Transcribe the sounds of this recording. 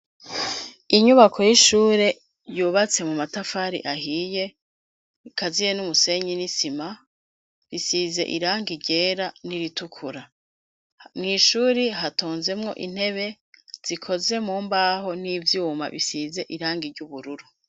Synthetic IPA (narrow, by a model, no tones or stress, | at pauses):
iɲuβakʰo̞jiʃuːɾe̞ | juːβat͡se̞mumatafaɾḭʔaɦiːje̞ | kazijenumuse̞ɲinisima | βisize̞̰ʔḭɾaːŋɡiɾɟe̞ːɾaniɾitukʰuɾa | mŋiːʃuːɾiɦatoːnze̞mŋo̞̰ʔḭn̥he̞βe̞ | z̥ikʰo̞ze̞muːmbaːho̞n̥iːvjuːma̰βisize̞ʔiɾaːŋɡiɾɟuβuɾuɾu